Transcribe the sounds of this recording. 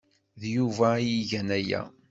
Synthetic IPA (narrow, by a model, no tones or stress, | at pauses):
ðjuvæjiʝænæjæ̰